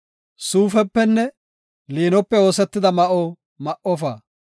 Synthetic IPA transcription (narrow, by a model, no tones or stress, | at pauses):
suːfɛpːɛnːɛ | liːnɔpːɛo̞ːsɛt̪ːɪd̪ɐmɐʔɔ | mɐʔɔfɐ